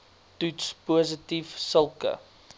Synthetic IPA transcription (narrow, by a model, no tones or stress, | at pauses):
tutspuəs̬ətifsəlˠkə̰